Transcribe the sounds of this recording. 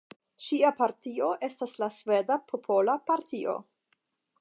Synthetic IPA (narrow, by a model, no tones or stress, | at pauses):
ʃiapaɾtio̞ʔe̞staslasve̞dapʰo̞pʰo̞lapaɾtio̞̰